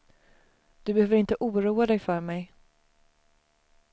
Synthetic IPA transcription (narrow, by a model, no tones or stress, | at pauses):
d̪̥ɵbɛhøːvəɾɪnt̪əʔuːɾuːad̪ɛjfœːɾmɛj